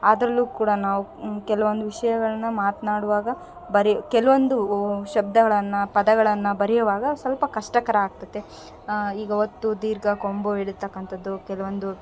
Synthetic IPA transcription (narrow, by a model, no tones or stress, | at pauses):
aːd̪ɾɐlːuːkuːɽɐnaːʋukɛlɐʋond̪uʋiʂɐjɐɡɐɭɐnːɐmaːt̪naːɽuʋaːɡɐ | bɐɾikɛlɐʋond̪uʃɐb̚d̪ɐɡɐɭɐnːɐpɐd̪ɐɡɐɭɐnːɐbɐɾɛjɐʋaːɡɐsɐlpɐkɐʂʈɐkɐɾɐaːɡ̚t̪ɐd̪ːe | iːɡɐiʋɐt̪ːud̪iːɾɡɐkomboeɽidt̪ːɐkːɐnt̪ɐd̪ːukɛlɐʋond̪u